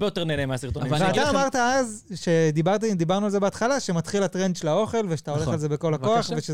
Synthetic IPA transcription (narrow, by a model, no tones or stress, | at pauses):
bejot̪eʁnelemeasiʁt̪onvtveataːmaʁt̪aazʃe̞d̪ibaʁt̪aimd̪ibaʁnualze̞beat̪χalaʃemat̪χilat̪ʁend̪ʃelao̞χe̞lveʃat̪aoe̞χalze̞be̞ko̞lhako̞aχveʃe